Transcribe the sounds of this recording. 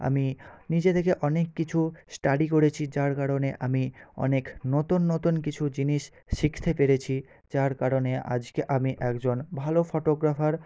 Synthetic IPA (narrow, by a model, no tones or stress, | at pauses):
a̰minid͡ʑet̪ʰekeʔɔnekːit͡ɕʰusʈaɖikoɾet͡ɕʰid͡ʑaɾkaɾoneʔamiɔ̰neknot̪unːot̪unkit͡ɕʰud͡ʑiniʃ | ʃikʰt̪ʰepeɾet͡ɕʰi | d͡ʑaɾkaɾoneʔa̰d͡ʑkeʔamiʔɛkd͡ʑonbʱalofoʈoɡɾafaɾ